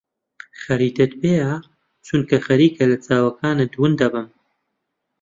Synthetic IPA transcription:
xɐɾiːt̪et̪̚beːja | t͡ʃʰunkɐxɐɾiːkʰɐlɐt͡saːwɐkʰaːnɨd̪wɨnd̪ɐbɨm

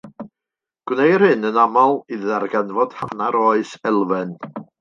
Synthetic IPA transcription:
ɡ̥wnejr̥hɨnənamalˠiðarɡɛnvɔd̥hanaɾɔɨsɛlˠvɛn

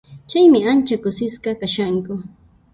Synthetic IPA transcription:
t͡ʃajmɪant͡ʃakʊsɪsqɑkaʃaŋkʊ

